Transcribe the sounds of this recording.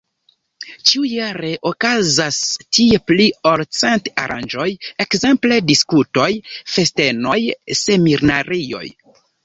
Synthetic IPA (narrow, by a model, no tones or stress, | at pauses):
t͡ʃiujaɾe̞ʔokazastie̞plioɾt͡senta̰ɾa̰nd͡ʒo̞je̞kze̞mple̞diskuto̞jfe̞ste̞nojse̞miɾnaɾijo̞̰j